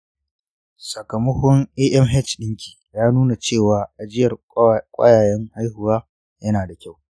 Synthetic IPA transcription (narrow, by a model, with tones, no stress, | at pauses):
sɐ˨kɐ˨mɐ˦hʊ˦ŋʔeː˦ʔɛ˦mɦɛ˦˨t͡ʃɗɪ˦ŋkʲi̥˨jaː˦nuː˦na˨t͡ʃeː˦˨waː˨ʔa˨d͡ʒɪ˦jɐ˨r | kʷʼɐ̰˦jaː˨jɛ˦ŋha˦jhʊ˨waː˦ | jɐ˦naː˨da˨kʲa˦˨w